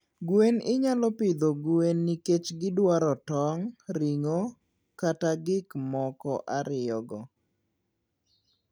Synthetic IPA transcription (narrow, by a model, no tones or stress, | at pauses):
ɡwenɪɲalɔpɪd̪oɡuenːiket͡ʃɡɪdwaɾɔtɔŋɾiŋo | kataɡɪkmɔkɔʔaɾɪjɔɡɔ